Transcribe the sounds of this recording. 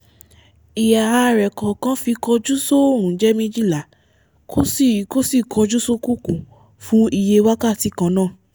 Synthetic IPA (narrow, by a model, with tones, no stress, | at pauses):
i˨ja˨a˧ɾɛ˨kɔ˨kã˨˦fi˧kɔ˧d͡ʒu˦so˦o˦˨ɾũ˨˦d͡ʒɛ˦mĩ˦d͡ʒi˦˨la˨ | kʰo˦si˦˨ko˦si˦˨kʰɔ˧d͡ʒu˦so˦ku˦kũ˨ | fũ˦i˧je˧wa˦ka˦˨ti˨˧˦kã˧˦nãː˦˨